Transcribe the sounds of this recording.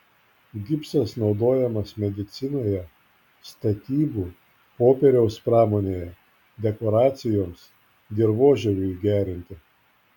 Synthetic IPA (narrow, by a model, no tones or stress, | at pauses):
ɡʲɪpsɐsnɒʊd̪oːjɛmɐsmʲɛd̪ʲɪt̪sʲɪnoːjɛ | st̪ɐt̪ʲiːbuː | poːpʲɛɾʲɛʊspɾɑːmoːnʲeːjɛ | d̪ʲɛkoːɾɑːt̪sʲɪjoːms | d̪ʲeɾʋoːʒʲɛʋʲʊiɡʲæːɾʲɪnʲt̪ʲɪ